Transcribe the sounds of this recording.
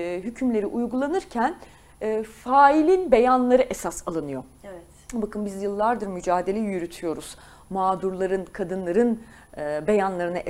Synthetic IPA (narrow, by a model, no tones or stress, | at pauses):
ɦycʰymlʲe̞ɾiʔujɡulˠanɯɾcʰænː | faːilʲinbe̞janlˠaɾɯʔesasalˠɯnɯjo̞ | vɛ | bakɯnbizjɯlˠːaɾd̪ɯɾmyd͡ʒaːd̪e̞lʲɛjyɾyt̪ʰyjo̞ɾuz̥ | maːd̪uɾlˠaɾɯnkʰad̪ɯnlˠaɾɯn | be̞janlˠaɾɯnaʔ